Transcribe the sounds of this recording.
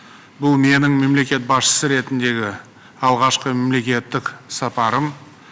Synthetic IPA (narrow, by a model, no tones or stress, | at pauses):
bʊlˠme̞nɪŋme̞mle̞kʲe̞t̪̚bɑsʃə̥səɾe̞t̪ɪnd̪e̞ɡʲɪ | ɑlˠʁɑʃqəme̞mle̞kʲe̞t̪ːɪksɑpɑɾəm